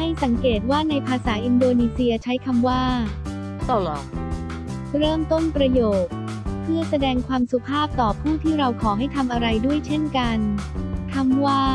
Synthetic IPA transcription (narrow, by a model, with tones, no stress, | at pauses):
ha˥˩jsa˩˦ŋkeː˨˩t̪̚waː˥˩na˧jpʰaː˧saː˩˦ʔi˧ndoː˧niː˧si˧ɐt͡ɕʰa˦˥jkʰa˧mwaː˥˩ | ɾɤː˥˩mt̪o˥˩npɾa˧joː˨˩t̪̚ | pʰːɯ˥˩ɐsa˧dɛː˧ŋkʰwaː˧msu˨˩pʰaː˥˩p̚t̪ɔː˨˩pʰuː˥˩t̪ʰiː˥˩ɾa˧wkʰɔː˩˦ɦa˥˩jt̪ʰa˧mʔa˧ɾa˧jdu˥˩əjt͡ɕʰe˥˩nka˧nkʰa˧mwaː˥˩